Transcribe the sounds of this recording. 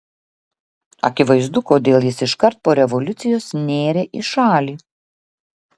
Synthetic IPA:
ɐ̰kʲɪʋɐɪzd̪ʊkoːd̪ʲeːlˠjɪsɪʃkɐɾt̪̚poːɾʲɛʋɔlʲʊt̪sʲɪjoːsnʲeːɾʲeːʔɪʃɑːlʲiː

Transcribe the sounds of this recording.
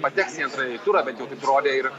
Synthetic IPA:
pɐt̪ʲæːksʲɛnt̪ɾɐt̪uɾɐbʲɛnt̪jɛʊt̪ɐɪpɾoːd̪ʲɛɪɾ

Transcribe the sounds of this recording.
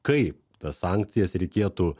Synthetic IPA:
kɐɪp | t̪ɐssɑːˑŋʲk̚t̪sʲɪjɛsɾʲɛɪkʲeːt̪uː

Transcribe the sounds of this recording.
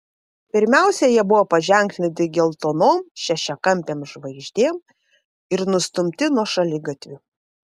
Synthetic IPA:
pʲɪɾʲmʲæˑʊsʲɛjiɛbʊʋoːpɐʒʲɛˑŋʲk̪ʲnʲɪt̪ʲɪɡʲɛlˠt̪oːnoːmʃʲɛʃʲɛkɐmʲpʲeːmʒʋɐɪʒʲd̪ʲeːm | ɪɾnʊst̪ʊmʲt̪ʲɪnuɔʃɐlʲɪɡɐt̪ʲʋʲʊ

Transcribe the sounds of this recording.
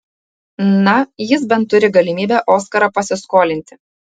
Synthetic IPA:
nɐjɪs̬bʲɛnt̪ːʊɾʲɪɡɐlʲɪmʲiːbʲæːʔoːskɐɾɐpɐsʲɪskoːlʲɪnʲt̪ʲɪ̥

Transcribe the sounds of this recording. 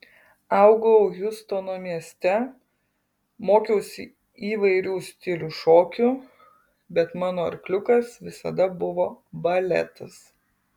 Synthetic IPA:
ɐʊɡoʊjʊst̪oːnoːmʲiɛsʲt̪ʲɛ | moːkʲɛʊsʲɪ | iːʋɐɪɾʲuːsʲt̪ʲɪlʲuːʃoːkʲʊ | bʲɛt̪mɑːnoːɐ̰ɾklʲʊkɐsʋʲɪsɐ̰d̪ɐbʊʋoːbɐlʲɛ̰t̪ɐs

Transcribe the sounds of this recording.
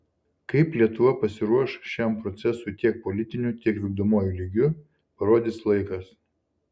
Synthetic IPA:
kɐɪplʲiɛt̪ʊʋɐpɐsʲɪɾuɔʃʃʲæˑmpɾɔt̪sʲɛsʊɪt̪ʲiɛk̚pɔlʲɪt̪ʲɪnʲut̪ʲiɛkʋʲɪɡ̚d̪oːmoːjulʲiɡʲʊ | pɐɾoːd̪ʲɪslˠɐɪkɐs

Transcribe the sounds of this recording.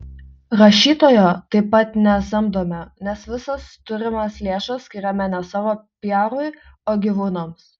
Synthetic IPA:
ɾɐʃʲiːt̪oːjoːt̪ɐɪpːɐt̪nʲɛsɐmd̪oːmʲɛnʲɛsʋʲɪsɐst̪ʊɾʲɪmɐslʲeːʃɐsʲkʲɪːɾʲɛmʲɛnʲɛsɑːʋoːpʲjæːɾʊɪoːɡʲiʋuːnoːms

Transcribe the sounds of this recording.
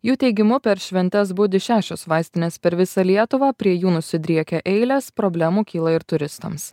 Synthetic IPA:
juːt̪ʲɛɪɡʲɪmʊpʲɛɾʃʲʋʲɛnʲt̪ʲɛs̬bʊd̪ʲɪʃʲæːʃʲosʋɑˑɪsʲt̪ʲɪnʲeːspʲɛɾʋʲɪsɑlʲiɛt̪ʊʋɑːpʲɾʲiɛjuːnʊsʲɪd̪ʲɾʲiɛkʲɛʔɛɪlʲeːspɾɔbʲlʲæmuːkʲiːlˠɐɪɾt̪ʊɾʲɪst̪ɐ̰ms

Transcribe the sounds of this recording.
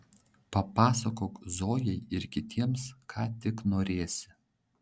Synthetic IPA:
pɐpɑːsɐkoːkzoːjɛɪɪɾkʲɪt̪ʲiɛmskʰɑːt̪ʲɪknoːɾʲeːsʲɪ

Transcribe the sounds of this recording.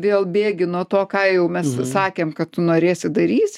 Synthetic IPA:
ʋʲeːlˠbʲeːɡʲɪnuɔt̪oːkɑːjɛʊmʲɛssɑːkʲeːmkɐt̪t̪ʊnoːɾʲeːsʲɪd̪ɐɾʲiːsʲ

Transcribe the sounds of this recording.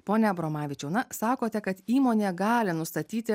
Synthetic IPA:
poːnʲɛbɾomɑːʋʲɪt͡ʃʲɛʊnɐsɑːkoːt̪ʲɛkɐt̪iːmoːnʲeːɡɑːlʲɪnʊst̪ɐt̪ʲiːt̪ʲɪ

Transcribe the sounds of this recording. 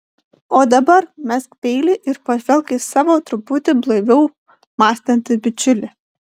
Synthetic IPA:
oːd̪ɐbɐɾmʲɛskpʲɛɪlʲɪʔɪɾpɐʋʲɛlˠʲˑkʲɪsɑːʋoːt̪ɾʊpʊt̪ʲɪblˠɐɪʋʲɛʊ | mɑːsʲt̪ʲɛnʲt̪ʲɪbʲɪt͡ʃʲʊlʲɪ

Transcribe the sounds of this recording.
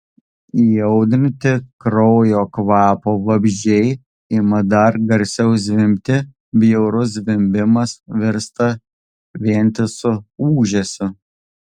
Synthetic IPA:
ijɛʊd̪ʲɪnʲt̪ʲɪkɾɔʊjoːkʋɑːpoːʋɐbʲʒʲd͡ʒʲɛɪ | imɐd̪ɐɾɡɐɾʲsʲɛʊs̬ʲʋʲɪmʲt̪ʲɪ | bʲjɛʊɾʊs̬ʋʲɪmʲbʲɪmɐsʋʲɪɾst̪ɐ | ʋʲiɛnʲt̪ʲɪsʊuːʒʲɛsʲʊ

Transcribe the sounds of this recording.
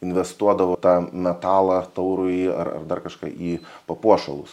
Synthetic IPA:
ɪnʲʋʲɛst̪uɔd̪ɐʋoːt̪ɑːnʲɛt̪ɑːlˠɐt̪ɐʊɾʊɪɐ̰rɐ̰rd̪ɐrkɐʃkɑ̰ːʔiːpɐpuɔʃɐlˠʊs

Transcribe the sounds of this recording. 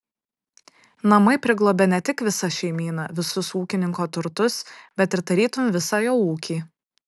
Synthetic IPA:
nɐmɐɪpʲɾʲɪɡlˠoːbʲɛnʲɛt̪ʲɪkʋʲɪsɐʃʲɛɪmʲiːnɑʋʲɪsʊsuːkʲɪnʲɪŋkoːt̪ʊɾt̪ʊsb̥ʲɛt̪ɪɾd̪ɐɾʲiːt̪ʊmʲʋʲɪsɑːjoːuːkʲiː

